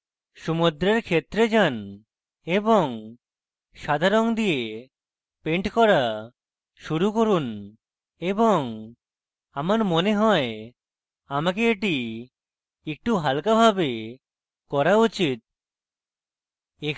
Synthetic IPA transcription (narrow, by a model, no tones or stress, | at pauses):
ʃumud̪ɾeɾkʰet̪ːɾed͡ʑan | eboŋ | ʃad̪ʱaɾoŋd̪ije | peɳʈkɔɾa | ʃuɾukoɾun | eboŋ | amaɾmoneɦɔe | amak̬eeʈi | ek̚ʈuɦalkabʱabe | kɔɾaut͡ɕit̪̚ | e